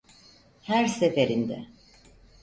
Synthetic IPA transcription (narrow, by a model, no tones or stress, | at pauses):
hæɾsefeɾind̪ɛ̰